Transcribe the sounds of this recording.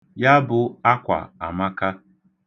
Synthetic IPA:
ja˦bʊ˨a˦kʷa̰˨a̰˨ma˦ka˦

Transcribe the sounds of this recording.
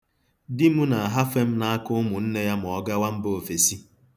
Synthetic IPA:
dɪ˦mu˦na˨a˨ɦa˦fe˦m̩˦na˦a˦kʊ˦mʊ˨n̩˦ne˦ja˦m̩˨ɔ˨ɡa˦wa˦m̩˦bo˨fe˨si˦

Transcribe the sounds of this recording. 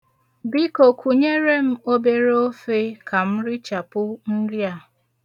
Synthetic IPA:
bi˦ko˨kʰʷu˨ɲe˦ɾe˦m̩˦o˦be˦ɾo˦fe˦kʰa˨m̩˦ɾɪ˦t͡ʃa˨pʊ˦n̩˦ɾja˨

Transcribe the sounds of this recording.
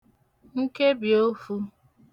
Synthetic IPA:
ŋ̩˦ke˦bjo˦fu˦

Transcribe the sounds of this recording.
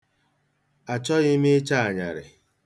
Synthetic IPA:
a˨t͡ʃɔ˦ɣɪ˦mɪ˦t͡ʃa˦a˨ɲa̰˨ɾɪ̰˨

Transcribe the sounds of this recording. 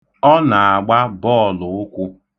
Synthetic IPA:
ɔ˦na˨a˨ɡ͡ba˦bɔː˦˨lʊ˨ʊ˦kʷʊ˦

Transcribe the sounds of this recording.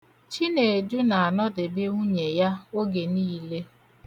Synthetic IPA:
t͡ʃi˦ne˨du˦na˨a˨nɔ˦dɪ˨bɪ˦u˦ɲe˨ja˦o˦ɡe˨niː˦le˦

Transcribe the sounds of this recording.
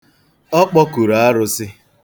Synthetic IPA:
ɔ˦k͡pɔ˦ku˨ɾa˨a˦ɾʊ˦sɪ˦

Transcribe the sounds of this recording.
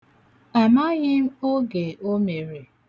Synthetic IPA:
a˨ma˦ɣɪ˦m̩˦o˦ɡe˨ʔo˦me˨ɾe˨

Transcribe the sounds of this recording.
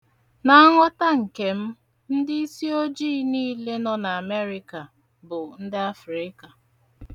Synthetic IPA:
na˨a˦ŋʷɔ˦ta˦ŋ̩˨ke˨m̩˦ | n̩˦dɪ˦i˦si˦o˦d͡ʒiː˦niː˦le˦nɔ˦na˨a˨me˦ɾɪ˦ka˨ | bʊ˨n̩˦dɪ˦a˦fɾɪ˦ka˨

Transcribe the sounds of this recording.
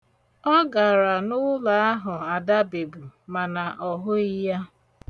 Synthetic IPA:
ɔ˦ɡa˨ɾa˨nʊ˦la˨a˦ɦʊ˨a˨da˦be˨bu˨ma˨na˨ʔɔ˨ɦʊ˦i˦ja˦

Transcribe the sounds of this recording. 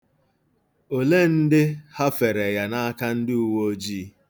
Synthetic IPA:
o˨le˦n̩˦dɪ˦ha˦fe˨ɾe˨ja˨na˦a˦ka˦n̩˦dɪ˦u˨wo˦d͡ʒiː˦

